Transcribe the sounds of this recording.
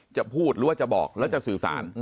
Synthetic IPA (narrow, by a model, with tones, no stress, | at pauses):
t͡ɕa˨˩pʰuː˥˩t̪̚ɾɯː˨˦waː˥˩t͡ɕa˨˩bɔː˨˩k̚lɛː˦˥wt͡ɕa˨˩sɯː˨˩sa̰ː˩˦n